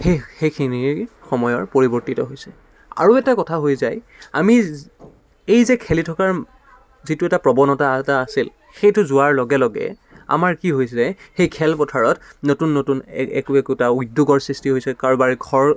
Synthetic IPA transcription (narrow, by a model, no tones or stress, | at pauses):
xexejkʰiniɹ | xɔmɔjɔɹpoɹibɔɹtitɔɦojsɛ | a̰ɹuɛtakɔtʰaɦojzaj | a̰mi | ejzɛkʰelitʰɔkaɹ | zitʊɛtapɹɔbɔnɔtataːsil | xejtʊzʊaɹlɔɡɛlɔɡɛ̰ | a̰maɹkiɦojsɛxejkʰɛlpɔtʰaɹɔtnotunːotunɛ̰kuɛkutaujdːuɡɔɹsɹistiɦojsɛkaɹbaɹɡʱɔɹ